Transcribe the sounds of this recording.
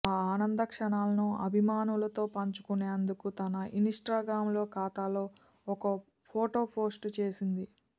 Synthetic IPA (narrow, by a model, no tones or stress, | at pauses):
aːaːnɐnd̪ɐkʂɐɳaːlɐnuɐ̰bʱimaːnulɐt̪o̞ːpɐɲt͡ʃu̥kuneːɐnd̪ukut̪ɐnɐʔinisʈɾaːɡɾaːmlo̞ːkaːt̪aːlo̞ː | ɔkɐ | pʰoːʈo̞ːpo̞ːsʈt͡ʃe̞ːsind̪i